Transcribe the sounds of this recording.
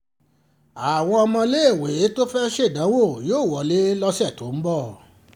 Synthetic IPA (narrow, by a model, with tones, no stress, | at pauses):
a˨w̃ɔ̃˧ɔ˧mɔ̃˧le˦e˦˨we˨e˦to˦fɛ˦ʃe˦˨dã˨˦wo˦˨joː˦˨wɔ˨le˦lɔ˧sɛ˦˨to˨˦m̩˦bɔ˦˨